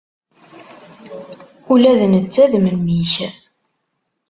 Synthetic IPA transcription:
ulæðənət͡sːæðmənːiç

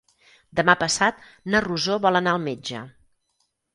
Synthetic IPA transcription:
d̪əmapəsat̪̚ | nəruzoβɔlˠənaəlˠmed͡ʒə̰

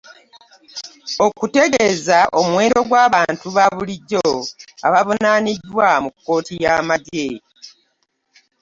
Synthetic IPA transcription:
o̞kute̞ɡezaʔo̞mwe̞ːɾo̞ɡwaːβaːntuβaβuliɟːoaβaβo̞naːnidːwamukːo̞ːtijaːmade

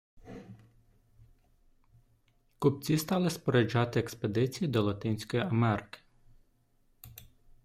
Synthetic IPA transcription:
kʊp̚t͡sʲist̪ɑlˠɪspɔɾed͡ʒɑt̪ɪeksped̪ɪt͡sʲijid̪ɔlˠɐt̪ɪnʲsʲkɔjiɐmɛɾɪkɪ̥

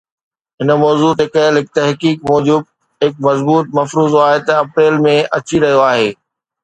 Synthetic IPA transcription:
ɦɪnə̆mɔːzuːt̪ɦɪkəlɪk̚t̪ɐɦkiːkmɔːd͡ʑʊb | ɦɪk̚mɐzbuːt̪̚mɐfɾuːzaːɦet̪ɐɐpɾeːlmẽʔɐt͡ɕiɾɐɦijoaːɦeː

